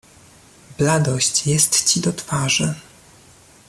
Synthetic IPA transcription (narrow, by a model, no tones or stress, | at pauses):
blad̪ɔɕt͡ɕjɛst̪t͡ɕid̪ɔt̪faʐɨ